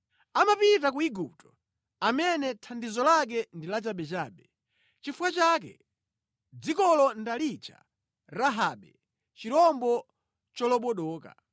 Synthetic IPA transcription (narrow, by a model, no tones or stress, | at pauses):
amapitakuiɡup̚tɔ | amɛnɛtʰandizɔlak̬ɛndilad͡ʒaɓɛt͡ʃaːɓɛ | t͡ʃifuwat͡ʃaːk̬ɛ̰ | d͡zikɔlɔndalit͡ʃʰa̰ | ɾaɦaːɓɛ | t͡ʃiɾɔmbɔ | t͡ʃɔlɔɓɔɗɔːka̰